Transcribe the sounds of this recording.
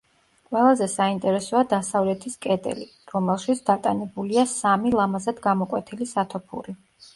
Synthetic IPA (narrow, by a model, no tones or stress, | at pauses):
qʼwɛlˠazɛsaint̪ʼɛɾɛsɔad̪asavlɛt̪ʰiskʼɛd̪ʼɛ̰li | ɾɔmɛlˠʃit̪sʰd̪at̪ʼanɛbuliasamilˠamazad̪ɡamɔkʼwɛt̪ʰilisat̪ʰɔpʰṵɾi